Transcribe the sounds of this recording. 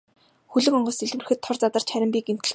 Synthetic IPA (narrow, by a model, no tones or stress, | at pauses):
xuɮɘ̆ŋɔɴɢɞ̆siɮwɘrɘxɘ̆t̪ʰːɔrt͡sat̪ə̆r̥t͡ɕχæɾʲɪ̆mpiːkem̥t̪ɘ̆ɮ